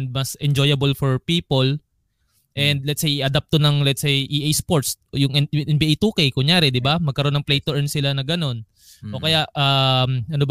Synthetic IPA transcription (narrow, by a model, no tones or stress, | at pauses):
nd̪̚mɐsʔɛnd͡ʒojɐbɛlfoɹpiːpol | ʔɛnd̪̚lɛt̪sejʔɐd̪ap̚t̪onɐŋlɛt̪sejʔiʔejspoɹt̪s | jʊŋɛʔɛnbiʔejt̪uːkejkʊŋjaːɾɛd̪ɪbamɐɡ̚kɐɾo̞nːɐŋplejt̪ɛʔnsɪlanɐɡɐno̞n | ʔo̞kɐjaʔʔɐmʔɐnob